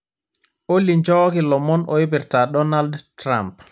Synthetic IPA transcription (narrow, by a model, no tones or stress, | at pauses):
ʔolːiɲd͡ʒɔːkilɔmɔnʔɔjubiɾtaɗɔnaldtɾa̰mp